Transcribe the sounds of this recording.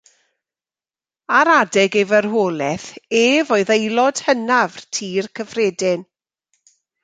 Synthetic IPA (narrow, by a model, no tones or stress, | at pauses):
aɾadɛɡɛvərɦoːlɛθeːvoɨðejlˠɔd̥hənavrtʰiːrkʰəvreːdɪn